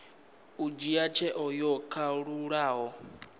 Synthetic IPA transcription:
ud͡ʒiat͡ʃʰɛʔɔjɔkʰaɺuɺaːɦɔ

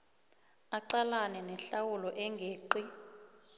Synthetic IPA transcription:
aǀalanɛnɛɬawulɔʔɛŋɡʱeːǃi

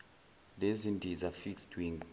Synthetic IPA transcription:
dɛzindizafiksduĩŋ

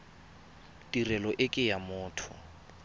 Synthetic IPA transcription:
tʼirɛlɔʔɪkʼɪjamʊːtʰʊ

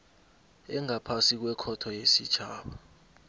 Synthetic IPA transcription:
ɛŋapʰasik̬wɛkʰɔtʰɔjesit͡ʃʰaːɓa

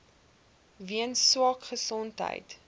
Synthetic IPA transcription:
viənswɑːkχəsɔntɦə̰jt

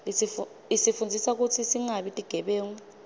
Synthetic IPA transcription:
lisifund͡zʱisak̬ut͡sʰisiŋaɓitʼiɡ̥ʱɛɓeːŋu

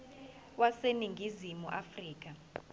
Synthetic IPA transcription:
waseniŋɡʱizimuʔafriːk̬a

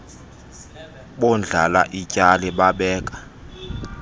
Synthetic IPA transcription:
ɓɔnd͡ɮʱalaʔicʼalɛɓaɓɛːkʼḁ

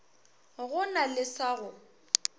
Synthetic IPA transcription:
ɣʊnalɪsaɣʊ

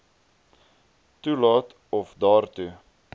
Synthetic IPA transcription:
tulɑːt̪ | ɔfdɑːrt̪u

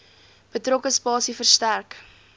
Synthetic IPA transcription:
b̥ətrɔkəspɑːsifərstærk

